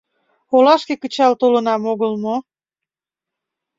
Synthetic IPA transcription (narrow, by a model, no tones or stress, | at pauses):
olɑʃkekət͡ɕɑlt̪olənɑmoɣəlmo